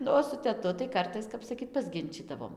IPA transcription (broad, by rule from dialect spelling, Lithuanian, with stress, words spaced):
ˈnʊ oː sʊ tʲɛˈtʊ tɐɪ ˈkɐrtɐɪs ˈkɐp sɐˈkʲiːt pɐzʲˈɡʲɪnʲt͡ʃʲiːdɐʋoːm